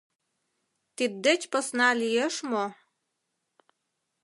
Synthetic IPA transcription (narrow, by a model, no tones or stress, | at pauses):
t̪id̪ːet͡ɕpə̆snɑlijeʃmo